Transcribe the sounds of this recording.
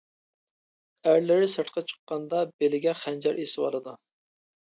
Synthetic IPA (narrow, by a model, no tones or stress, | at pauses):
æɾlɪɾɪsɨʈ̪qʰɑt͡ʃʰə̥qːɑnd̪ɑbelɪɡʲɛχænd͡ʒɛɾʔesɪwɑ̰lˠɨd̪u